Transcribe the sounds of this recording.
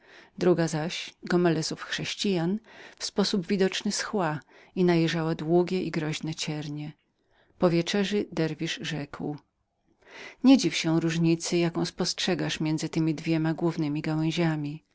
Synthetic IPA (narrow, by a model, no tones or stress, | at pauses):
d̪ɾuɡazaɕɡɔmɛlɛzufxʂɛɕt͡ɕijanfspɔsubvʲid̪ɔt͡ʂnɘsxwa | inajɛʐawad̪wuɡʲɛʔiɡɾɔʑnɛt͡ɕɛɾɲɛ | pɔvʲjɛt͡ʂɛʐɨd̪ɛɾvʲiʂʐɛkw | ɲɛd͡ʑifɕɛɾuʐɲit̪sɘjakɔ̃w̃spɔstʂɛɡaʂmʲjɛndzɘt̪ɘmʲid̪vʲjɛmaɡwuvnɘmʲiɡawɛ̃ʑamʲi